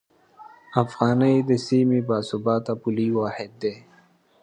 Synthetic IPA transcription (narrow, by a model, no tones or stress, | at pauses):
afɣɑːnəjd̪əsimibɑːsubɑːt̪apuliwɑːhɪd̪ːe